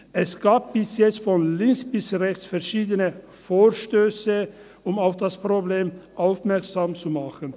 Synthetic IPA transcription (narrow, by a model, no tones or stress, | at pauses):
ʔɛsɡ̥aːb̚b̥ɪsjɛt͡stfɔnlɪŋksb̥ɪsʁɛçt͡sfɛɐʃiːdənə | foːɐʃtøːsə | ʊmaʊfd̥aspʁ̥obleːmʔaʊfmɛɐksaːmt͡sumaχən